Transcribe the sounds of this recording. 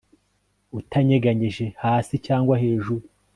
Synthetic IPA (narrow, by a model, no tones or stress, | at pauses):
utʰaɲeɡaɲiʒe̞haːsicaːŋɡwahe̞ːʒuɾu